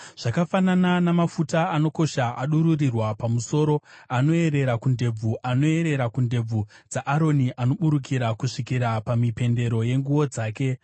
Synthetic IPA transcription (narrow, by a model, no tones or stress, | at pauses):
ʐ̥akafanananamafutaːno̞ko̞ʃaʔaɗuɾurirwapamuso̞ɾo̞ano̞e̞ɾe̞ɾakunde̞b͡vuʔano̞e̞ɾe̞ɾakunde̞b͡vud͡zaʔaɾo̞niʔano̞ɓuɾuk̬ʰiɾakuʂikiɾapamipe̞nde̞ɾo̞je̞ŋɡuwo̞d͡zaːke̞